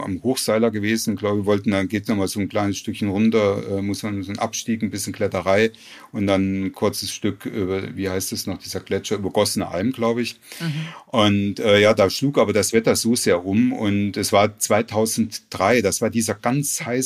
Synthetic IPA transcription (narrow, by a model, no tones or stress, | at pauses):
ʔa̰mhoːxz̥aɪlɐɡəveːzn̩ʊnɡ̥laʊbəvɔltn̩danɡeːtnɔχmaːlzoːnkl̥aɪnəsʃtʏkçənʁʊntɐʔɛːmʊsmanzonʔa̰pʃtiːkn̩bɪsçənkl̥ɛtəʁaɪ | ʔʊntd̥ankʰʊɐt͡səsʃtʏkʔyːbɐviːhaɪstɛsnɔχd̥iːzɐɡlɛt͡ʃɐʔyːbɐɡ̥ɔsənəʔa̰lmɡ̥laʊbəɪç | ʔʊntʔɛːjaːdaːʃluːkʔaːbɐdasv̥ɛtɐzoːzeːɐʔʊmʊ̰ntɛsv̥aːɐt͡sv̥aɪtʰaʊzn̩td̥ʁaɪdasv̥aːɐdiːzɐɡ̥ant͡shaɪ